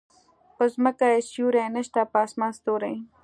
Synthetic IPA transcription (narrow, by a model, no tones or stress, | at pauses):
pəzməkaesjuːɾanɐʃt̪apaːsmaːnst̪oːɾaj